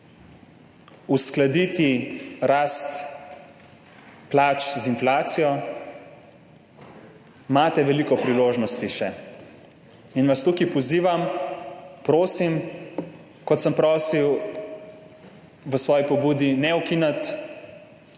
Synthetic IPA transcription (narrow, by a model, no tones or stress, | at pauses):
usklad̪it̪iɾast̪ | plaːt͡ʃzinflaːt̪sijɔ | maːt̪ɛʋɛlikɔpɾiloːʒnɔst̪iʃɛ | inʋast̪ukipɔziːʋam | pɾoːsim | kɔt̪səmpɾɔːsiw | ʋəsʋɔːjipɔbuːd̪inɛukinat̪